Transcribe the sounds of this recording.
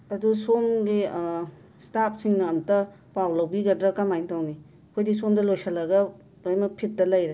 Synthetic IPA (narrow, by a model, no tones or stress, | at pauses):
ɐdusomɡi | stap̚siŋnɐːmtɐ | pawlɐwbiɡɐdɾɐkamajŋtawni | kʰojdis̬omdɐlojsɐlɐɡɐ | lojmɐpʰit̚dɐlɐjɾe